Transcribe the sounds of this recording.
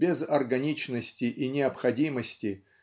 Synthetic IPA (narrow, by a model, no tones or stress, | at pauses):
bʲɪzɐrɡɐnʲit͡ɕnəsʲtʲɪʔinʲɪɐpxɐdʲiməsʲtʲɪ